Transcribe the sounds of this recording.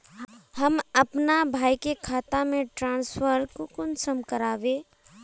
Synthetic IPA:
ɦɐmɐpnabʱaːikekʰaːt̪amẽʈɾãːnsfəɾkokʊnsəmkəɾaːʋeː

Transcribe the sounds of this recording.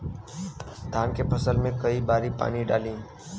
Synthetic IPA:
d̪ʱaːnkepʰəsəlmẽkɐibaːɾipa̰ːniɖa̰ːlĩː

